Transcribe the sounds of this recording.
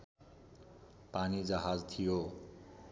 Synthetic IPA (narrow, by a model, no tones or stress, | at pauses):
panid͡zaɦad͡zt̪ʰijo